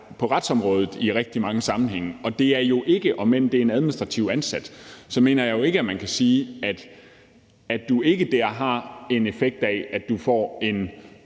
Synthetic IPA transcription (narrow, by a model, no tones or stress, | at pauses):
pʰɒ̽ʁɑd̥sɒ̽mʁɔ̽ːð̞ˠð̩ˠiʁɛɡ̥̚d̥imɑ̈ŋəsɑ̈mn̩ɦeŋ̰əɒ̽d̥e̝æɐjo̝ʔe̝ɡ̥əʔɒ̽men̰̩d̥e̝ɐenæð̞ˠminisd̥ʁɑ̈t͡sʰiʊænsæd̥sɒ̽me̝̰ːnɐjɑ̈ɪjo̝e̝ɡ̥əæmænkʰæsiːæd̥ | æd̥ue̝ɡ̥əd̥æɐ̰ɦɑ̈e̝ne̝feɡ̥̚d̥ææd̥d̥ufɒ̰ːe̝n